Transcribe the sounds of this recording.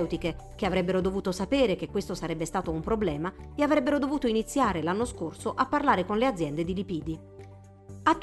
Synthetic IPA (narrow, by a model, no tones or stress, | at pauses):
wt̪ike | k̟eavɾɛbːeɾod̪ovuːt̪osapeːɾek̟ekːwest̪osaɾɛbːest̪aːt̪oumpɾoblɛːmaviavɾɛbːeɾod̪ovuːt̪oinit̪sːjaːɾelanːoskorsoʔapːarlaːɾekonlead̪zːjɛnd̪ed̪ilipiːd̪i | at̪ː